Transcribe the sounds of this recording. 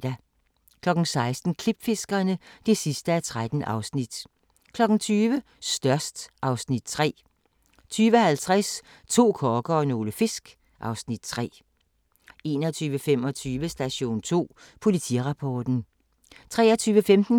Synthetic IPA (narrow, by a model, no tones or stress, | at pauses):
d̥æ | kʰlɒ̽ɡ̥n̩sɑ̈ɪsd̥n̩kʰlib̥fe̝sɡ̥ɐnəd̥e̝sisd̥əæt͡sʰʁad̥n̩ʔɑ̈ʊsnid̥ | kʰlɒ̽ɡ̥n̩t͡sʰyːʋə | sd̥ɶɐsd̥ʔɑ̈ʊsnid̥̚t͡sʰʁɛ̰ː | t͡sʰyːʋəhælt͡sʰʁas | t͡sʰo̝̰ːkʰɒːɡ̥əɒno̝ːləfe̝sɡ̥ | ʔɑ̈ʊsnid̥̚t͡sʰʁɛ̰ː | e̝ːnɒt͡sʰyːʋəfem̰ɒt͡sʰyːʋəsd̥æɕo̝̰ːnt͡sʰo̝̰ː | pʰo̝lit͡sʰḭʁɑ̈pʰɒːd̥n̩ | t͡sʰʁɛːɐt͡sʰyːʋəfemd̥n̩